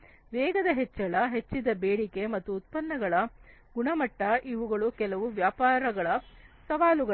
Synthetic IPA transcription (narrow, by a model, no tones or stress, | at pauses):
ʋɛːɡɐd̪ɐɦet͡ʃːɐɭɐɦet͡ʃːid̪ɐbeːɽike̞mɐt̪ːuːt̪̚pɐnːɐɡɐɭɐ | ɡuɳɐmɐʈːɐʔiʋuɡɐɭukɛlɐʋuʋjaːpaːɾɐɡɐɭɐsɐʋaːluɡɐ